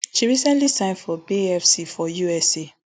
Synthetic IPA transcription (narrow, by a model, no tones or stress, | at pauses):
ʃiɹisɛ̃ntlisãɪ̃nfɔbiɛfsifɔjuɛse